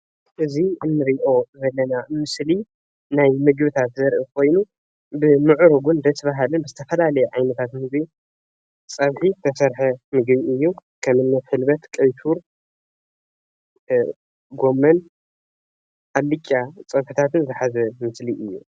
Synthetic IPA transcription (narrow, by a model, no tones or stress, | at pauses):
ʔɨziɨnːɨɾiʔo̞zɐlːɐnamɨsli | najmɨɡbɨt̪ʰat̪zɐɾʔikʰo̞jnu | bɨmɨʕɾuɡund̪ɐsbaɦalɨnbɨzɨt̪ʰɐfɐlalɐjuʕajnɐt̪ʰat̪mɨɡbi | t͡sʼɐβħit̪ʰɐsɐɾħɐmɨɡbiɨjːukʰɐmɨnːɐt̪ħɨlbɐt̪kʼɐjt̪ʰuɾ | ɡo̞mːɐn | ʔalːɨkʲʼːat͡sʼɐβħɨt̪ʰat̪ʰɨnzɨħazɐmɨsliʔɨjːṵ